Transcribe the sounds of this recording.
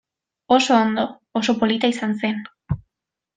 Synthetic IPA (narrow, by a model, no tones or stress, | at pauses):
oso̞ːnd̪oː | s̬o̞po̞lit̪aisanse̞n